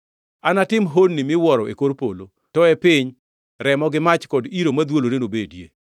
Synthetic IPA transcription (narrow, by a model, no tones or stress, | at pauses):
anatɪmɦonːimɪwɔɾɔʔḛkoɾpolo | tɔɛpɪɲ | ɾɛmɔɡɪmat͡ʃkɔdiɾomad̪woloɾenobedjḛ